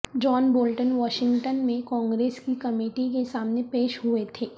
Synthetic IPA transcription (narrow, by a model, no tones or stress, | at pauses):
d͡ʒɔːnboːlʈənʋɔːʃɪ̃ŋɡʈənmẽkɔ̃ːŋɡɾeːskikɐmeːʈikesaːmnepeːʃɦuet̪ʰeː